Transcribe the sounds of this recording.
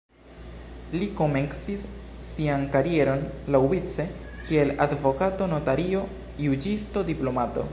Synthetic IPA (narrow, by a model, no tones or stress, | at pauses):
liko̞mensisːiankaɾie̞ɾo̞nlawit͡se̞ | kie̞ladvo̞kato̞no̞taɾio̞ | jud͡ʒisto̞diplo̞mato̞̰